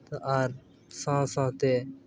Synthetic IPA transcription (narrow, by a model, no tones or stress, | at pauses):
t̪ʔaːɾ | sãːsãːt̪eː